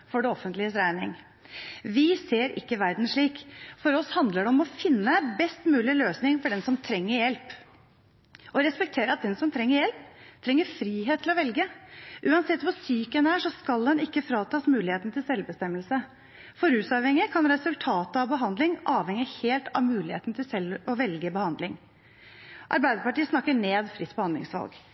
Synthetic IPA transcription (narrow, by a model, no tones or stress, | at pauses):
fɔɖɛɔfənt̪lɪəsɾæɪnɪ̰ŋ | ʋɪseːɾɪ̰kːəʋæɾd̪n̩ʂɭiːkfɔɾɔshɑnd̪ləɖɛɔmɔfɪnːəbɛst̪mʉːlɪløːsnɪŋfɔɖɛnsɔmt̪ʰɾɛŋːəɾjɛlp | ʔɔɾɛspɛk̚t̪ʰeːɾəɑt̪̚d̪ɛnsɔmt̪ʰɾɛŋːəɾjɛlpt̪ʰɾɛŋːəfɾiːɦeːt̪ʰːɪlɔʋɛlɡəʔʉːɑnsɛt̪ːʋɑsyːkənæːʂɔskɑld̪ɛnɪkːəfɾɑːt̪ʰɑːsmʉːlɪheːt̪nt̪ɪlsɛlbəst̪ɛmːəlsə | fɔɾʉːsɑʋhɛŋɪəkʰɑnɾɛsʉlt̪ʰɑːt̪əɑʋbəɦɑnd̪lɪŋʔɑːʋhɛŋɪəheːlt̪ɑʋmʉːlɪhḛːt̪nt̪ʰɪlsɛlːɔʋɛlɡəbəhɑnd̪lɪŋ | ʔɑ̰ɾbæɪd̪əpɑʈiːəsnɑkːəɳeːd̪fɾɪt̪ːbəhɑnd̪lɪ̰ŋsʋɑ̰lɡ